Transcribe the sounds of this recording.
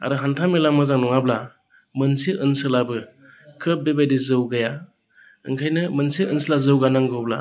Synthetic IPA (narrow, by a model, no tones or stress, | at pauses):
a̰ɾɯɦantʰamilamazaŋnɔŋabla | mɯnsiʔɯnsɯlabɯ | kʰɯp̚bebajdizɯwɡaja | ɯ̰ŋkʰajnɯmɯnsiɯnslazɯwɡanaŋɡɯwbla̰